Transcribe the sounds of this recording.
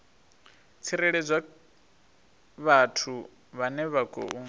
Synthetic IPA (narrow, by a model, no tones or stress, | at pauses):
t͡sʰiɾɛɺɛd͡zʷwa | βatʰu | βanɛβaɡʼɔ̰ʔu